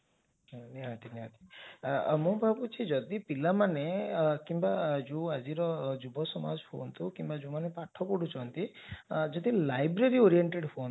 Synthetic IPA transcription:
niɦat̪iniɦat̪i̥ | mũbʱabut͡ʃʰid͡ʒɔd̪ipilamanekimbad͡ʒũad͡ʒiɾɔd͡ʒubɔsɔma̰d͡ʒpʰo̰nt̪ʰukimbad͡ʒũmanepaʈʰɔpuɽut͡ʃʰɔnt̪id͡ʒɔd̪ilajbɾeɾioɾieɳʈeɖpʰon

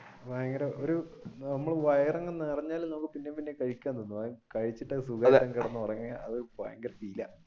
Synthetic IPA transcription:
ʋaːjɐŋɡɐɾɐʔoɾunɐmːɐɭʋɐjɐrɐŋːɐnɨrɐɲːaːlnɐmukːɨpinːepinːekɐɻikʲːaːnonːuakɐɻit͡ɕːiʈːɐsuɡaːɾɾɐŋkɐɽɐnːupɐrɐɲːɐɐ̰ðoɾupa̰ːjɐŋɡɐɾɐpilɐ

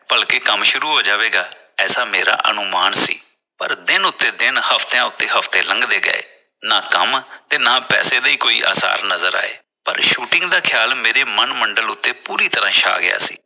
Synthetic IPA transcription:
b̥əlkeːkəmʃʊɾuːɦoːd͡ʒaːʋeːɡaː | ɛːsaːmeːɾa̰ːʔə̰nʊmaːnsḭː | pəɾd̪ɪnʊt̪ːeːd̪ɪnhəpʰt̪eãːʊt̪ːeːɦəpʰt̪eːlə̃ŋɡd̪eːɡə̰ḛː | naːkə̰mt̪eːnaːpɛ̰ːseːd̪aiːkoːḭːʔa̰ːsa̰ːɾnəzəɾa̰ːḛː | pə̰ɾʃuːʈɪ̃ŋɡd̪aːkʰɪjaːlmeːɾeːmənməɳɖəlʊt̪ːeːpuːɾiːt̪əɾãːʃʰa̰ːɡɪ̰ja̰ːsḭː

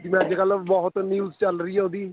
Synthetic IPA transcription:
d͡ʒɪmɛ̃ːd͡ʒekəlbɔɦʊt̪njuːzt͡ʃəlɾəiːoːd̪iː

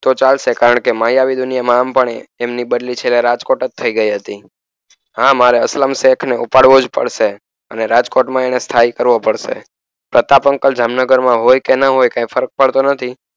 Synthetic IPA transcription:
t̪ot͡ʃalʃekaɾəɳkemajaʋid̪ʊnijamãːmpəɳ̃eːmnibəd̪lit͡ʃʰeleɾad͡ʒkoʈət̪ʰːəiɡəiɦət̪i | ɦãmaɾeəsləmsekʰneʔupaɽʋod͡ʒpə̰ɽʃe | əneɾad͡ʒkoʈmãenest̪ʰaikəɾʋopəɽʃḛ | pɾət̪apəŋkəld͡ʒamnəɡəɾmãɦojkenəɦojkãĩfʰəɾək̚pəɭt̪onət̪ʰi

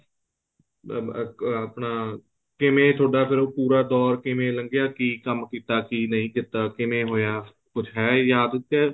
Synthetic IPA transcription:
əpnaː | kɪmẽːt̪ʰoːɖaːpʰɪɾoːpuːɾaːd̪ɔːɾkɪmẽːləŋɡɪjaːkiːkəmkiːt̪aːkiːnəɦĩːk̪ɪt̪aːkɪmẽːɦoːjaː | kʊt͡ʃʰɦɛːjaːd̪t̪ːɛː

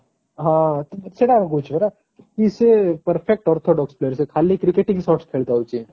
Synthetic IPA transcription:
ɦãt̪seɽakaɡot͡ʃʰbeɾa | kisepəɾfʰek̚ʈɔːɾt̪ʰoɖɔksplejəɾsekʰaːlikɾikeʈiŋkisɔːɾʈskʰeːlt̪aut͡ʃĩ

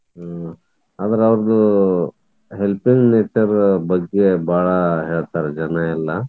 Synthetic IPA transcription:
ɦa | aːd̪ɐɾeɐʋɾɐd̪u | ɦelpiŋɡneːt͡ʃɐɾbɐɡːe̞baːɭɐɦeːɭt̪aːɾed͡ʒɐnɐilːɐ

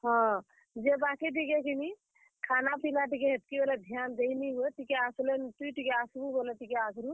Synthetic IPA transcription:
ɦɔ̃ | d͡ʒebakiʈikekini | kʰanapilaʈikeɦet̪̚kibeled̪ʱjand͡ʒəiniɦuet̪ikeaslenʈ̪uʈikeasbubolet̪ikeakɾu

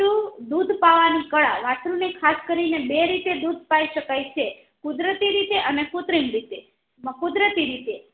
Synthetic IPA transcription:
ud̪ud̪ʱpaʋanikəɭaɾaʈɾunekʰaskəɾinebeɾit̪ed̪ud̪̚ʱpaiʃəkajt͡ʃʰe | kud̪ɾət̪iɾit̪eʔənekut̪ɾimɾit̪e | məkud̪ɾət̪iɾit̪e

